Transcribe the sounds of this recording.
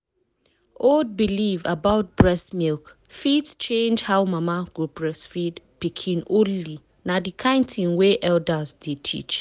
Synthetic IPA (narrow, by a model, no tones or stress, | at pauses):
old̚bilivabaʊt̚bɹɛstmilk | fitst͡ʃʰẽnd͡ʒhaʊmãmaɡ̥obɹɛsfidpikʰĩnoli | nadikʰãɪ̃ntʰĩnweʔɛldazdetʰḭt͡ʃ